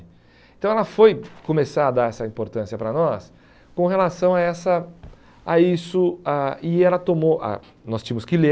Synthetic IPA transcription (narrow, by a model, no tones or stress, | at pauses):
ẽt̪ɐ̃w̃ɛlɐfojkõmesaɾɐd̪aɾɛsɐĩmpoɾt̪ɐ̃siɐpɾɐnɔs | kõɦelasɐ̃w̃aɛsɐ | aisʊaɪɛlɐt̪omoʔa̰ | nɔst͡ʃĩmʊskɪle